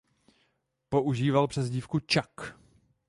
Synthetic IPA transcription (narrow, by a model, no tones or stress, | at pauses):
po̞ʔuʒiːvalpr̥ɛzɟiːfkut͡ʃak